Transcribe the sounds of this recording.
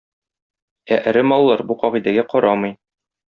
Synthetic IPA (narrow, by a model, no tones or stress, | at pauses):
æʔɘ̆ɾɘmɒlˠːɑɾbuqɒʁid̪æɡæqɒɾɑmɤ̆j